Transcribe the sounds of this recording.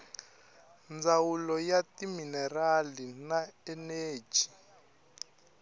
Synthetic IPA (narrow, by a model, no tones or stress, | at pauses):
nd͡zawulɔjatiminɛralinaɛne̥ːd͡ʒ̥ʱi